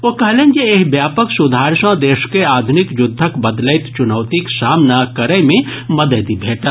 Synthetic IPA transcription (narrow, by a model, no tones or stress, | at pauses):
ʋokɐɦlẽːnjeekbjaːpəksʊd̪ʱaːɾʃãd̪eːʃkeaːd̪ʱʊnɪkjʊd̪ʱːəkbɐd̪ləɪt̪t͡ʃʊnəːt̪iksaːmnakɐɾəjmẽmɐd̪əd̪ibʱeːʈa